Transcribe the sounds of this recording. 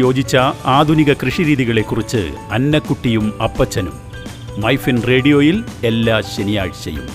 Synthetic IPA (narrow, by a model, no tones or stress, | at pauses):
jo̞ːd͡ʑit͡ɕːɐaːd̪ʱuniɣɐkrɨʂiɾiːðiɣɐɭe̞kːurit͡ɕːɨ̰ | ɐnːɐkːuʈːijumɐpːɐt͡ɕːɐnumː | ɐjfinre̞ːɽijo̞ːjile̞lːaːɕenija̰ːɻɕjɐ̰jṵm